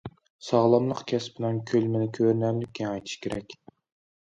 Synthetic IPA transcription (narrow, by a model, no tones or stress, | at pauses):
sɑʁlˠɑmlˠəqkʲʰɛsbɪnɛnkʲʰølmɪnɪkʲʰøɾnɛmlɪkʲʰːinɑjt̪ʰɨ̥ʃkʲʰeɾɛ̰kʲ